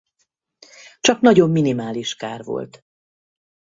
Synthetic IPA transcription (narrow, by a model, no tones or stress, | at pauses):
t͡ʃɒknɒɟo̞mːinimaːliʃkaːrvo̞̰lt̪